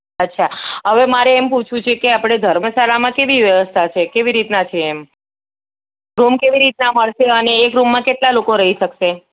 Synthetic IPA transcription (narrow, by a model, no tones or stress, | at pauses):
ətːʃʰaɦəʋemaɾeːmput͡ʃʰũt͡ʃʰekeapɽ̃ed̪ʱəɾməsalamãkeʋiʋjəʋəst̪ʰat͡ʃʰekeʋiɾit̪nat͡ʃʰeːm | ɾumkeʋiɾit̪naməɭʃeəneːkɾumːãkeʈlalokoɾəɦiʃəkʃe